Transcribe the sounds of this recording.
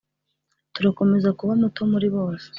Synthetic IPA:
tuɾako̞me̞zakuβamutomuɾiβo̞ːse̥

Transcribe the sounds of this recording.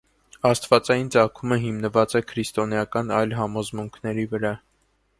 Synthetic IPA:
ɑst̪vɑt͡sɑjint͡sɑkʰuməɦimnəvɑt͡sɛkʰɾist̪ɔnjɑkɑnɑjlɦɑmɔzmuŋkʰnɛɾivəɾɑ

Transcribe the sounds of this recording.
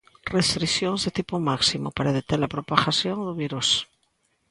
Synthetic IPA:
rest̪ɾiθjoŋzðet̪ipomaksimopaɾaðet̪eɾlapɾopaxasjoŋd̪uβiɾus

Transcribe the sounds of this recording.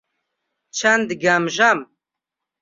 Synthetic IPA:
t͡ʃʰɐnd̪ɡɐmʒam

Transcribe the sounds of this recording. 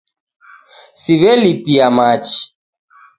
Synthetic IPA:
siβɛlipiamat͡ʃi̥

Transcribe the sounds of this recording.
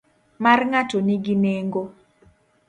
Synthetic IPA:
marŋatoniɡineŋɡo

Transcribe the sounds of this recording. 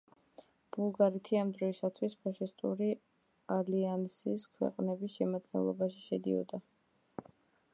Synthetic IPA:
b̥ulˠɡaɾit̪ʰiamd̪ɾɔisat̪ʰwispʰaʃist̪ʼṵɾi | aliansiskʰwɛ̰qʼnɛbisʃɛmad̪ɡɛ̰nlˠɔ̰baʃiʃɛd̪ḭɔ̰d̪a

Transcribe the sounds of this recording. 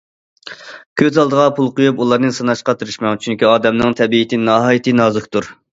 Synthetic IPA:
kʲʰøzɑlˠd̪əʁɑpʰulˠqojupulˠɑɾnɨsɨnɑʃqɑt̪ʰɨɾɨʃmɑŋt͡ʃʰyŋkʲiɑːd̪ɛmnɨŋt̪ʰɛbiːt̪ʰɪnɑɦɑːjit̪ʰɨnɑːzʊkt̪uɾ

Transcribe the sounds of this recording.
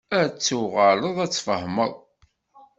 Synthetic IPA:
æt͡sːuʁələðˤæt͡sːfə̰hməðˤ

